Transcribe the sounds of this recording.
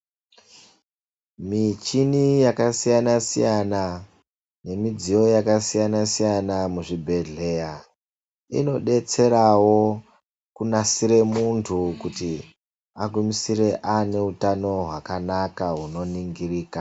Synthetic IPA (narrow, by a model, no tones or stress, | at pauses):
mit͡ʃinijakasijanasḭjana | ne̞mid͡zijo̞jakasijanasijanamuʐibʱe̞ɮe̞ja | ḭno̞ɗe̞t͡se̞ɾawo̞ | kunasiɾe̞muntʰukuti | aɡumisiɾe̞ʔane̞utano̞ɦwakanakaɦuno̞niŋɡiriːka